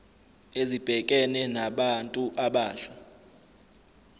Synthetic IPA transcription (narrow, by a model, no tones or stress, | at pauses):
ezib̥ʱɛkʼɛnɛnaɓantʼuʔaɓaːɬa